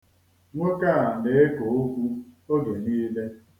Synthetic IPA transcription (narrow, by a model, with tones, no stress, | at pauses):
ŋʷo˦ka˦a˨de˦e˦ko˨o˦kʷu˦o˦ɡe˨niː˦le˦